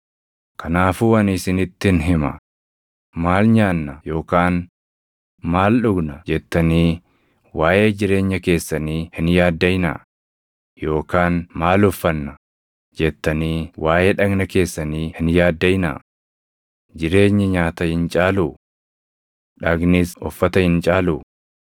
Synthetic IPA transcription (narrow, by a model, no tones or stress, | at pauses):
kʰɐnaːfuːwɐnɪsɪnɪt̪ːɪnɦɪmɐ̰ | maːlɲaːnːɐjo̞ːkaːn | maːlɗʊɡnɐd͡ʒɛt̪ːɐniː | waːjʔe̞ːd͡ʒɪɾe̞ːɲːɐke̞ːsːɐniːhɪnjaːd̪ːɐjɪnɐ̰ | jo̞ːkaːnmaːlɔfːɐnːɐ | d͡ʒɛt̪ːɐniːwaːjeːᶑɐɡnɐke̞ːsːɐniːhɪnjaːd̪ːɐjɪnɐ̰ | d͡ʒɪɾe̞ːɲːɐɲaːt̪ɐhɪnt͡ʃʼaːluː | ᶑɐɡniːsɔfːɐt̪ɐhɪnt͡ʃʼaːluː